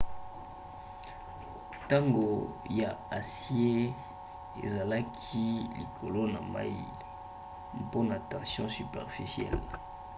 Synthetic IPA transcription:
ta˦ŋɡo˨ja˨a˨sje˦ | ḛ˨za˨la˦kʰi˦lḭ˨kʰo˨lo˦na̰˨ma̰˦i˦˨ | po˦na˨tɑ̃˨sjɔ̃˦sy˨pɛ̰˨ʁfi˨sjɛ̰˦˨l

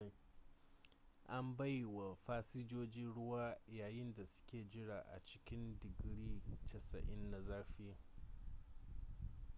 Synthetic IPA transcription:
ʔa˦mba˦jwa˨ɸaː˦si˦d͡ʒoː˦d͡ʒɪ˦nɽʊ˦waː˦˨jaː˨jɪ˦nda˨sʊ̥˦kʲeː˨d͡ʒɪ˦ɽaː˨ʔa̰˨t͡ʃɪ̥˦kʲɪ˦ndɪ˨ɡɽiː˦t͡ʃɐ˨sɐ˨ʔɪ˦nːa˨zaː˦ɸɪ˦ja˨

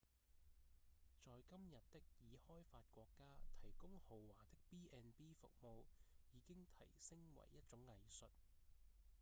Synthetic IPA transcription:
t͡sɔː˨jkɐ˥mjɐ˨t̚t̪ːɪ˥k̚jiː˨˧hɔː˥jfaː˧t̚kʷɔː˧kːaː˥t̪ʰɐ˨˩jkʊ˥ŋho˨wwaː˨˩t̪ɪ˥k̚piː˥ʔɛː˧npiː˥fʊ̰˨k̚mo˨˧wjiː˨˧kɪ˥ŋt̪ʰɐ˨˩jsɪ˥ŋwɐ̰˨˩jːɐ˥t̚t͡ʃʊ˨˥ŋːɐ˨˧jsɵ˨t̚

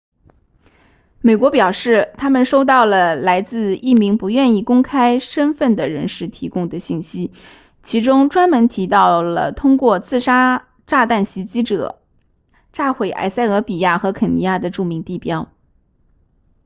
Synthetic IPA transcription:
me˨˩ɪkwɔ˧˥pjɑ˨˩ʊʂɻ̩˥˩t̪ʰa˥mə˨nʂo˥ʊt̪ɑ˥˩ʊlə˩la˧˥ɪt͡sɹ̩˥˧i˥˩mi˧˥ŋpu˧˥ɥɛ˥˧ni˥˩kʊ˥ŋkʰa˥ɪʂə˥nfə˥˩nd̪ə˩ɻə̰˧˥nʂɻ̩˥˩t̪ʰi˧˥kʊ˥ŋd̪ə˨ɕi˥˩nɕi˥ | t͡ɕʰi˧˥ʈ͡ʂʊ˥ŋʈ͡ʂwa˥nmə˧˥nt̪ʰi˧˥t̪ɑ˥˩ʊlə̰˩t̪ʰʊ˥ŋkwɔ˥˧t͡sɹ̩˥˧ʂa˥ | ʈ͡ʂa˥˧t̪a˥˩nɕi˧˥t͡ɕi˥ʈ͡ʂɤ̰˨˩˦ | ʈ͡ʂa˥˩xwe˨˩ɪʔa̰˧˥ɪsa˥˩ɪɤ˧˥pi˨˩ja˥˩xɤ˧˥kʰə˨˩ni˧˥ja˥˩d̪ə˩ʈ͡ʂu˥˩mi˧˥ŋt̪i˥˩pjɑ˥ʊ

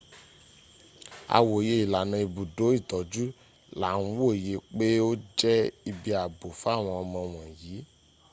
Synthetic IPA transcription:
a̰˧˨wo˨je˧˦i˨la˨nã˧i˨bu˨do˨˦i˦˨tɔ˨d͡ʒu˦ | la˨˦˨ñ̩˦wo˦˨je˨˦k͡pe˦o˦d͡ʒɛ˦i˧bi˦a˨bo˨fw̃ɔ̃˧ɔ˧mɔ̃˧w̃ɔ̃˨jiː˨˦

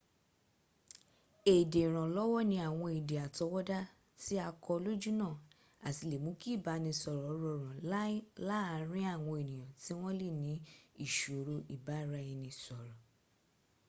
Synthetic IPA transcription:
e˨de˨ɾ̃ã˨lɔ˦wɔ˦nĩ˧a˨w̃ɔ̃˧e˨de˨a˨tɔ˧wɔ˦da˦ | ti˦a˧kɔ˧lo˦d͡ʒu˦nã˦˨ | a˨ti˧le˨mũ˨˦ki˦˨ba˨˧nĩ˧sɔ˨ɾɔ˨˦ɾɔ˧ɾ̃ã˨la˦a˨˦ɾ̃ĩ˦a˦˨w̃ɔ̃˧e˨nĩ˨j̃ã˨ti˦w̃ɔ̃˦le˦˨nĩ˨˦i˦˨ʃo˨˦ɾo˧ʔi˨ba˨˦ɾa˧i˧nĩ˧sɔ˨ɾɔ˨

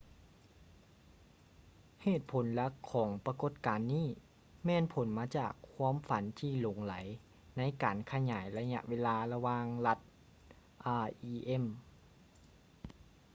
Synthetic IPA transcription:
heː˨˩t̪̚pʰo˩˦nlɛ˧˥kʰɔː˩˦ŋpa˧ko˨˧˩t̪̚kaː˨nːiː˥˩ | mɛː˧˥npʰo˨˩˦nmaː˧t͡ɕaː˨˩kʰːwaː˧˥˨mfa˨˦nt̪ʰiː˧˩lo˨˩˦ŋla˩˦j | na˧˥jkaː˨˩nkʰa˧ɲaː˩˦jla˧ja̰˧˥ʔweː˧laː˧la˧waː˧ŋla˧˥t̪̚ | ʔaː˧ʔiː˧ʔe˧˥˨m

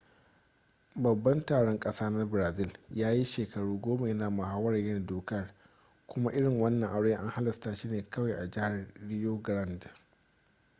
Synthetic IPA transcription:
bɐ˨bːɐ˦ntaː˨ɽɔ˦ŋkʼɐ˦saː˦nɐ˦bɾaː˨zɪ˦˨ljaː˦ji˦ʃeː˨kɐ˨ɽuː˦ɡʷoː˦ma˨jɐ˦naː˨mɐ˨ɦaː˦wɐ˦ɾa˨jɪ˦n˨doː˨kɐ˦r | kʷʊ˦ma˦ʔɪ˦ɽɪ˨ŋwɐ˦nːɐ˨ŋʔa˦ɽeː˦ʔa˦ŋha˦lɪ˨sta˦ʃiː˦neː˨kɐ˦wa˨ʔa˨d͡ʒɪ˦ha˨rɽɪ˦joː˦ɡɾɐ˦˨nd

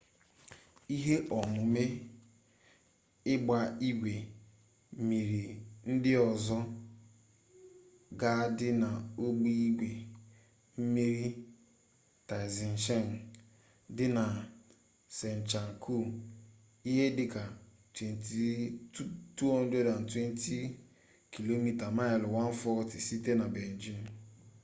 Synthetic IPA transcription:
i˦ɦe˦ʔɔ˨mʊ˨me˦ | ɪ˦ɡ͡ba˨i˦ɡʷe˨ | mi˨ɾi˨n̩˦dɪ˦ɔ˨zɔ˦ | ɡa˦dɪ˦na˨o˦ɡ͡bi˦i˦ɡʷe˨ | m̩˦me˦ɾi˦ | ta˨zi˨n̩˨ʃe˦˨ŋ˨ | dɪ˦na˨ | se˨n̩˨t͡ʃa˨ŋ˨kʰu˦˨ | i˦ɦe˦dɪ˦ka˨ | twe˨n˨ti˦tu˦ɔ˦n̩˦de˦da˨n̩˨twe˦n˦ti˦ | ki˨lo˦mi˦ta˨ma˦ɪ˨lwa˦n̩˦fɔ˦ti˨si˦te˦na˨be˨n̩˨d͡ʒi˦n˨

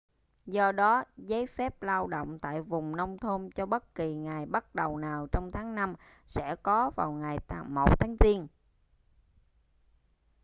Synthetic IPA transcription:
zɔ˧ɗɔ˨˦zə˨˦jfɛ˦˥p̚laː˧wɗo̰˧˨wŋ͡mt̪a̰ː˧˨jvʊ˨˩ŋ͡mnə˧wŋ͡mt̪ʰo˧mt͡ɕɔ˧ɓə˦˥t̚ki˨˩ŋaː˨˩jɓa˦˥t̚ɗə˨˩wnaː˨˩wt͡ɕɔ˧wŋ͡mt̪ʰaː˨˦ŋna˧m | sɛ̰˧˥kɔ˨˦va̰ː˨˩wŋaː˨˩jt̪a˨˩mo˨˩t̚t̪ʰaː˨˦ŋzi˧ən

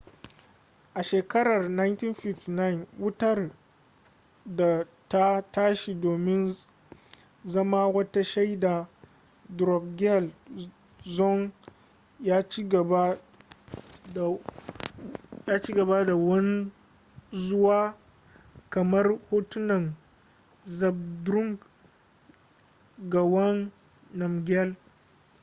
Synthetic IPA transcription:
ʔa˨ʃeː˨kɐ˦ɾɐ˨rna˦jnti˦nɸɪ˦fti˨na˦jnwʊ˦tɐ˦˨r | da˨ | ta˦taː˦ʃi˨doː˨mɪ˦n | zɐ˦maː˦wɐ˦ta˦ʃa˦jda˨ | dɾɔ˨b̚ɡɛ˦l | zɔ˦ŋ | jaː˦t͡ʃi˦ɡɐ˨ba˦˨ | jaː˦t͡ʃi˦ɡɐ˨ba˦da˨wɐ˦n˦ | zʊ˦waː˦ | kɐ˨mɐ˦rhoː˦tʊ˦nɐ˨ŋ | zɐ˨b̚dɾʊ˦ŋɡ | ɡa˨wɐ˦ŋː | ɐ˨mɡʲɛ˦l

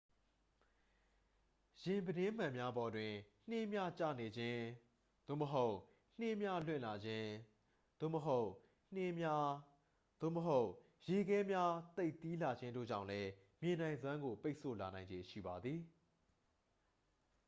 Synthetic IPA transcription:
jɪ̃˨mbədɪ̃˦m̥ã˨mja˦bɔ˨dwɪ̃˨n̥ɪ̃˦mja˦t͡ɕa̰˦˨ne˨d͡ʑɪ̃˦ | d̪̥o̰˦˨məɦo˦ʊʔ | n̥ɪ˦mja˦lwɪ̰̃˦˨la˨d͡ʑɪ̃˦ | d̪̥o̰˦˨məɦo˦ʊʔ | n̥ɪ̃˦ma˦ | d̪̥o̰˦˨məɦo˦ʊʔ | je˨ɡɛ˦mja˦t̪e˦ɪʔt̪i˦la˨d͡ʑɪ̃˦ndo̰˦˨d͡ʑã̰˦˨ʊ̃lɛ˦ | mjɪ̃˨n̥ã˨ɪ̃nzwã˦ŋɡo˨pe˦ɪʔsʰo̰˦˨la˨nã˨ɪ̃ɲd͡ʑẽ˨ʃḭ˦˨ba˨d̪ði˨

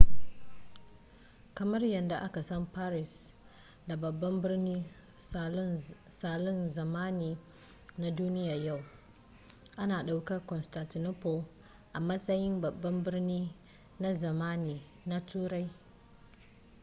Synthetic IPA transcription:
kɐ˨mɐ˦rjɐ˨nda˨ʔa˦ka˨sɐ˦mpaː˦ɾɪ˨s | da˨bɐ˨bːɐ˦mbɪ˦ɾniː˦ | saː˨lʊ˦nzɐ˨maː˦niː˨ | na˦duː˦nɪ˦ja˨ja˦˨w | ʔa˦naː˨ɗa˨wkɐ˦rkɔ˨nsta˨ntɪ˨no˦po˦ | ʔa˨mɐ˦sɐ˦jɪ˦mbɐ˨bːɐ˦mbɪ˦ɾniː˦ | na˦zɐ˨maː˦niː˨ | na˦tʰuː˦ɾa˦j

